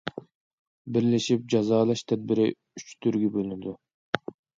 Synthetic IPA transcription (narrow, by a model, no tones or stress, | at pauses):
biɾleʃip̚d͡ʒɑzɑːlˠɑʃt̪ʰɛd̪̚biɾḭ | yt͡ʃt̪ʰyɾɡʲybølynd̪y